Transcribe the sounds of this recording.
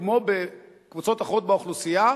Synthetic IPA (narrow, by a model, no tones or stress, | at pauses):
mo̞be | kvut͡so̞t̪aχʁot̪̚beuχlusija